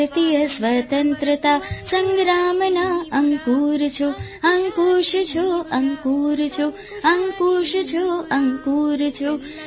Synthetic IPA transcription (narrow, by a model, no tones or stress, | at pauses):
t̪ijɐsʋɐt̪ɐnt̪ɾət̪aːsɐŋɡɾaːmnaɐŋkuːɾt͡ʃʰuɐŋkuːʃt͡ʃʰoɐŋkuːɾt͡ʃʰu | ɐŋkuːʃt͡ʃʰoɐŋkuːɾt͡ʃʰu